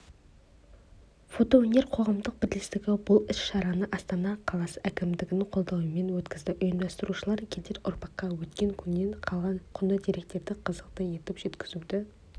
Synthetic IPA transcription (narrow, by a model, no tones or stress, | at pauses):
fo̞t̪o̞onʲe̞ɾqʰo̞ʁɑmd̪əq̚b̥ɪɾlɪst̪ɪɡʲɪbʊlˠɪsʃɑɾɑnəʔɑst̪ɑnɑqʰɑlˠɑsəækʲɪmd̪ɪɡʲɪnɪŋqʰo̞lˠd̪ɑwəme̞nwɵt̪kʲɪzd̪ɪʔʊjɪmd̪ɑst̪əɾuʃəlˠɑɾkʲʰet̪eɾʔʊ̰ɾpɑqːɑwɵt̪kʲe̞ŋkʲʰʏnːeɴqʰɑʁɑnqʰʊnəd̪iɾe̞k̚t̪e̞ɾd̪ɪqʰəzəqt̪əje̞t̪ɪpʒe̞t̪kʲɪzud̪ɪ